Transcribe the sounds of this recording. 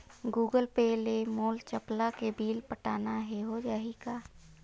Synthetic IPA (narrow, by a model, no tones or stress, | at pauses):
ɡuːɡəlpelemoːlt͡ʃəplakebʱiːlpəʈaːnaɦɛɦod͡ʒaːɦikaː